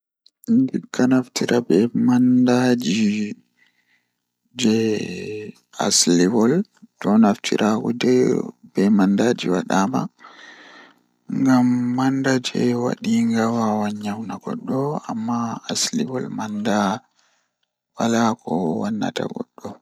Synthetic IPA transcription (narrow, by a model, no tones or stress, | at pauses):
ndikːanaftiɾʔabɛmandad͡ʒi | d͡ʒɛ | a̰sliwɔltɔnaftʰḭɾʔakɔd͡ʒɛbɛmandad͡ʒiwaɗaːma̰ | ŋɡamːandad͡ʒɛ̰wa̰ɗiŋɡawawaɲːawnaɡɔ̰ɗːɔa̰mːaːsliwɔlmanda | walakɔwanːa̰ta̰ɡɔ̰ɗːɔ